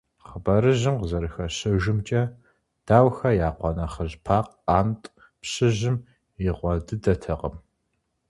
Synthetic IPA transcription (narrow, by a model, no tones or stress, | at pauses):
χəbɐɾɨʑɪmqzɐɾɨxɐɕɨʒɪɨmt͡ʃʼɐ | d̥aːwxɐjaːqʷɔnɐχəʑpʰaːqaːntʼ | pɕɨʑɪm | jɪʁʷɔdɨdɐtʰɐqəm